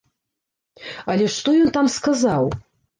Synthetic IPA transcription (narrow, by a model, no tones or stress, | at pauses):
ɐlʲɛʂt̪ɔjɔnt̪amskazaw